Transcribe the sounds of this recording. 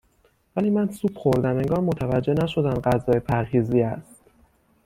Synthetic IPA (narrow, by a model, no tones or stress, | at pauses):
væliːmænsuːb̥xo̞ɾd̪æme̞ŋɡɒːɾmo̞t̪ʰævæd͡ʒːe̞næʃo̞d̪æmɢæzɒːjepʰæɾhiːziːæst̪